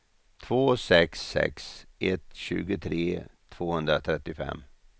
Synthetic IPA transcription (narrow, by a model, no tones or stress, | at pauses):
t̪ʰvoːsɛksɛ̰ksʔɛt̪ɕʉ̟ːɡət̪ʰɾeːt̪ʰv̥oːhɵnd̪ɾat̪ʰɾɛt̪ːɪfɛ̰mː